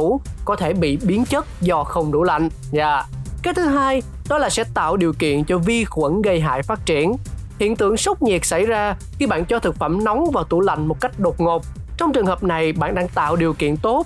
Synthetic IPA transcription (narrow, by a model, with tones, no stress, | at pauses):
u˧˥˩kɔ˨˦t̪ʰe˧˩ɓḭ˧˨ɓi˨˦ənt͡ɕə˦˥t̚zɔ˧xə˧wŋ͡mɗṵ˧˩la̰˧˨jŋ̟ | zaː˧˨kaː˨˦jt̪ʰɨ˨˦ɦaː˧j | ɗɔ˨˦laː˨˩sɛ̰˧˥t̪a̰ː˧˨wɗi˨˩əwkḭ˧˨ənt͡ɕɔ˧vi˧xwə˧˩˥nɣə˧jɦa̰ː˧˨jfaː˦˥t̚t͡ɕi˧˩ənhḭ˧˨ənt̪ɨ̰˧˨əŋsə˦˥k͡p̚ɲi˨˩ək̚sa˧˩jzaː˧xi˧ɓa̰ː˧˨nt͡ɕɔ˧t̪ʰɨ˨˩k̚fə̰˧˩mnɔ˨˦wŋ͡mvaː˨˩wt̪u˧˩la̰˧˨jŋ̟mo˨˩t̚ka˦˥jk̟̚ɗo˨˩t̚ŋo˨˩p̚t͡ɕɔ˧wŋ͡mt͡ɕɨ˨˩əŋhəː˨˩p̚na˨˩jɓa̰ː˧˨nɗaː˧ŋt̪a̰ː˧˨wɗi˨˩əwkḭ˧˨ənt̪o˦˥t̚